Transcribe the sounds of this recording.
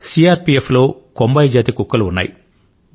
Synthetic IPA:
siːaːɾpieflo̞ːkombɐjd͡ʒaːt̪ikukːɐluunːa̰ːji

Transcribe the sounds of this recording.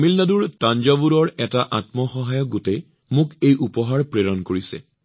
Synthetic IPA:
milnaduɹtand͡ʒabuɾɔɹɛtaʔatmɔxɔɦajɔk̚ɡote | mʊkejʔupɔɦaɹpɹeɹɔnkoɹisɛ̰

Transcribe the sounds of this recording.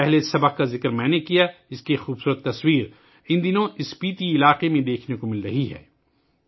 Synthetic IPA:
ɛɦlesɐbəq̚kazɪkɾmɛ̃ːnekijaɪskixuːbsuːɾət̪ːɐswiːɾ | ɪnd̪ɪnõɪspiːt̪iɪlaːqemẽd̪eːkʰnekomɪlɾɐɦiɦɛ̰ː

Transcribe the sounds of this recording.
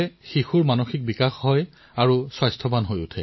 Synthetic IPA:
ɛxixuɹmanoxik̚bikaxɦɔj | aɹuswajstʰɔbanɦojṵtʰɛ

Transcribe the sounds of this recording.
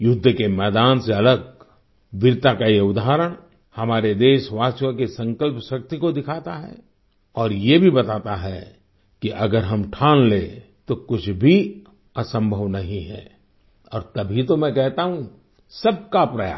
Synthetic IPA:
jʊd̪ʱːkemɛːd̪aːnseɐləɡ | ʋɪɾt̪akajeʊd̪aɦɾəɽ̃ | hɐmaːɾed̪eːʃʋaːsjõkesɐ̃ŋkəlpʃɐk̚t̪ikod̪ɪkʰaːt̪aɦɛ̰ | ɔːɾjebʱibɐt̪aːt̪aɦɛ | kiʔɐɡəɾɦɐmʈʰaːnle | t̪okʊt͡ʃʰbʱi | ɐsə̃mbʱəʋnɐɦĩɦɛ̰ː | ɔːɾt̪ɐbʱit̪omɛ̃kɛɦt̪aɦũ | sɐb̚kapɾɐja̰ː

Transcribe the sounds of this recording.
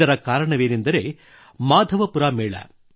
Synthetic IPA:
ɐɾɐkaːɾɐɳɐʋeːnind̪ɐɾe | maːd̪ʱɐʋɐpuɾaːmeːɭɐ̰

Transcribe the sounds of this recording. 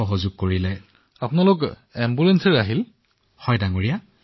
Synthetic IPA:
ɔɦozʊɡ̚kːoɹilɛ | apʊnalʊk | ɛmbulɛnsɛɹaɦil | hɔjdaŋoɹija

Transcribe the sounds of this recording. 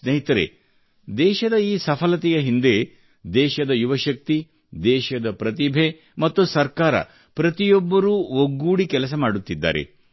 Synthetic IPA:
sneɦit̪ɐɾḛ | d̪ɛːʃɐd̪ɐiːsɐpʰɐlɐt̪ɛjɐɦind̪e̞ | d̪ɛːʃɐd̪ɐjuʋɐʃɐk̚t̪i | d̪ɛːʃɐd̪ɐpɾɐt̪ibʱe̞ | mɐt̪ːusɐɾkaːɾɐ̰ | pɾɐt̪ijɔbːɐɾuːoɡːuːɽikɛlɐs̬ɐmaːɽut̪ːid̪ːa̰ːɾḛ

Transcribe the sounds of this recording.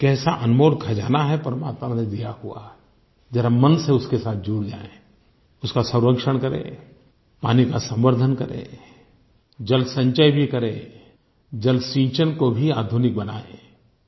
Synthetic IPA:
kɛːsaʔɐnmoːlkʰɐd͡ʒaːnaɦɛpɾəmaːt̪maned̪ijahʊa̰ | d͡ʒɛːɾamənseʊskesaːt̪̚ʰd͡ʒuːɽd͡ʒa̰ːḛ̃ | ʊskasə̃ʊɾəkʃəɽ̃kɐɾḛ̃ | paːnikasə̃mbəɾd̪ʱənkɐɾḛ̃ː | d͡ʒɐlsə̃ɲt͡ʃəjbʱikɐɾḛ̃ː | d͡ʒɐlsĩːt͡ʃənkobʱiaːd̪ʱʊnɪk̚bɐnaːḛ̃ː

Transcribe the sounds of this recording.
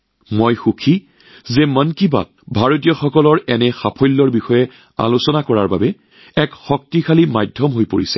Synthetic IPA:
mojxukʰi | zɛmənkiba̰t̚bʱaɹot̬ijɔxɔkɔlɔɹɛnɛxapʰɔjlːɔɹbixɔjɛ | a̰lusɔnakɔɹaɹba̰bɛ | ɛkxɔk̚tikʰalimajdʱɔmɦojpoɹisɛ̥

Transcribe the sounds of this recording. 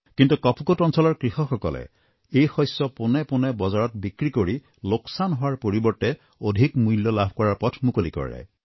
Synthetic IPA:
kintukɔpʰukotɔnsɔlɔɹkɹixɔxɔkɔ̰lɛ̰ | ejxɔsɔpʊnɛpʊnɛbɔzaɹɔt̚bikɹikoɹi | loksanɦʊwaɹpoɹibɔɹtɛ | odʱikmujljɔlabʱkɔɹaɹpɔtʰmukolikɔ̰ɹḭla̰j

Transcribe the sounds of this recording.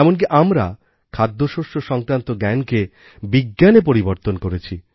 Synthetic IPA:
ɛmonk̬iʔamɾa̰ | kʰad̪ʱːoʃoʃoʃɔŋkɾant̪oɡɛnke | biɡːanepoɾiboɾt̪onkoɾet͡ɕʰi

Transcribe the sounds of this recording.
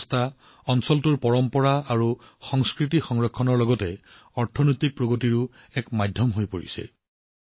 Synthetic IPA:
stʰa | ɔnsɔltuɹpɔɹɔmpɔɹaaɹu | xɔŋskɹitixɔŋɹɔkʰːɔnɔɹlɔɡɔtɛ | ɔɹtʰɔnojtik̚pɹoɡotiɹu | ɛkmajdʱjɔmɦojpoɹḭsɛ̰

